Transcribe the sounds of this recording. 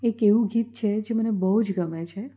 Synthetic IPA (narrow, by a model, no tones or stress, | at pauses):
ekeʋũɡiːt̪̚t͡ʃʰed͡ʒemənebəɦud͡ʒɡəmet͡ʃʰe